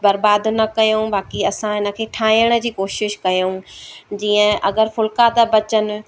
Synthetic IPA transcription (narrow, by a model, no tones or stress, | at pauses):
bɐɾbaːd̪nɐkɐjõbaːkiɐsãɦɪnə̆kʰeːʈʰaːĩjəɽ̃ə̆d͡ʑiːkoːʃɪʃkɐjod͡ʑiːə̃ʔɐɡəɾfʊlkaːd̪abɐt͡ɕənɪ̆